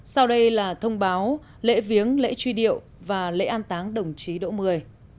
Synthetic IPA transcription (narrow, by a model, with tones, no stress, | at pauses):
sa˧wɗə˧jlaː˨˩t̪ʰə˧wŋ͡mɓaː˨˦w | lḛ˧˥vi˨˦əŋlḛ˧˥t͡ɕwi˧ɗḭ˧˨əw | vaː˨˩lḛ˧˥ʔaː˧nt̪aː˨˦ŋɗə˨˩wŋ͡mt͡ɕi˨˦ɗo̰˧˥mɨ˨˩əj